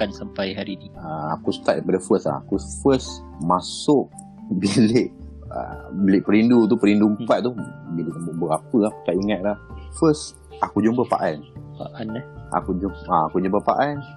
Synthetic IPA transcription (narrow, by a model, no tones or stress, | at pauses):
kansampajɦaɾiniaa̰kust̪aʔ̪̚dəpadəfəsla̰a̰kufəs | masʊʔ | bileʔ | ə̰bilɪʔpəɾindut̪̬upəɾindumppat̪̚t̪ubilɪʔbəɾapəahpkaʔiŋat̪̚lahfəs | akud͡ʒumbəpa̰ʔanpaʔanaa̰kud͡ʒuaakud͡ʒumbəpa̰ʔan